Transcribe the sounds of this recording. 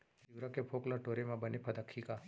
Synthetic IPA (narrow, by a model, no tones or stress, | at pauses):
d͡ʒiʋɾakepʰoklaʈoɾemãbənepʰəd̪akʰːika